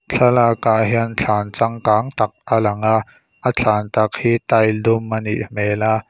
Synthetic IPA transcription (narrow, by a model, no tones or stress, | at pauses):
t͡ɬʰɐlakaʔɦiənt͡ɬʰaːnt͡sɐŋkaːŋt̪ɐk̚ʔalɐŋaʔ | ʔət͡ɬʰaːnt̪ɐk̚hiːt̪ajdʊmːɐnḭʔmɛːla